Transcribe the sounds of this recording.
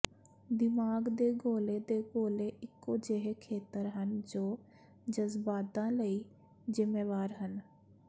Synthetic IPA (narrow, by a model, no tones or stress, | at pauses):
d̪ɪmaːɡd̪eːɡoːleːd̪eːɡoːleːʔɪkːoːd͡ʒeɦekʰeːt̪əɾɦənd͡ʒoː | d͡ʒəzbaːd̪ãːləiː | zɪmeːʋaːɾɦən